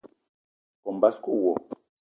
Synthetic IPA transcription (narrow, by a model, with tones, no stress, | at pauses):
kɔ˨mba˦sku˦˨wɔ˨